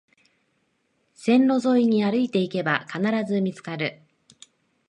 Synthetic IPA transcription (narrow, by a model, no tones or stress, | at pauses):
sẽ̞nɾo̞zo̞iɲ̟iaɾɯ̟it̪e̞ike̞bakanaɾazɨmʲit͡sɨ̥kaɾɯ̟